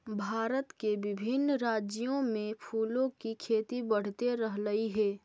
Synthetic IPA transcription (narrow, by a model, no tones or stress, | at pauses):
bʱaːɾət̪keʋɪbʱɪnːɾaːd͡ʒjõmẽpʰuːlõkikʰeːt̪ibəɽ̤t̪eɾəɦləiɦɛː